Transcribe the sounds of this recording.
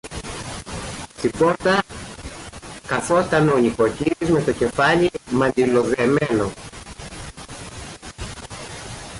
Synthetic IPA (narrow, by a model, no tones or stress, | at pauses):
t̪ipo̞ɾt̪ɐ | kɐθo̞st̪ɐneoniko̞ciɾizme̞t̪o̞ce̞fɐlimɐnd̪ilo̞ðeme̞no̞